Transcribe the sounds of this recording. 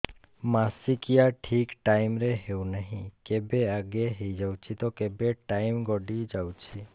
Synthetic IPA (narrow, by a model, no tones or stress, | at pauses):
masikijaʈʰikʈaimɾeɦeũnəɦĩkebeaɡeɦəid͡ʒawt͡ʃʰit̪okebeʈaimɡɔɖid͡ʒawt͡ʃʰi